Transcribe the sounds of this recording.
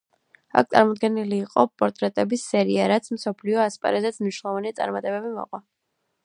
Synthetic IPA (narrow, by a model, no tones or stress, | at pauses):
a̰k̚ʰt̪sʼa̰ɾmɔd̪ɡɛniliːqʼɔpʼɔɾt̪ʼɾɛt̪ʼɛbisɛɾiaɾat̪sʰmsɔpʰliɔaspʼa̰ɾɛzɛt̪sʰmniʃnlɛlˠɔvanit̪sʼa̰ɾmat̪ʼɛbɛbimɔ̰qʼwa